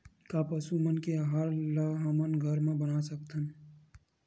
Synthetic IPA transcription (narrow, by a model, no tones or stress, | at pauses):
kapəsumənkeɦaɾlaɦamənɡʱəɾmẽbənasək̚t̪ʰən